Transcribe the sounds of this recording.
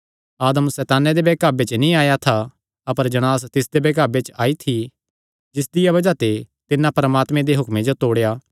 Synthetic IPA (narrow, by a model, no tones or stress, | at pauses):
aːd̪əmsɛːt̪aːned̪ebeːkaːbet͡ʃnĩaːjat̪ʰa | ɐpəɾd͡ʒɐɽ̃aːs̬t̪ɪsd̪ebeːkaːbet͡ʃaːit̪ʰi | d͡ʒɪsd̪ɪjaβɐd͡ʒat̪et̪ɪnːãpɐɾəmaːt̪mẽd̪eɦʊkmed͡ʒot̪oːɽejaː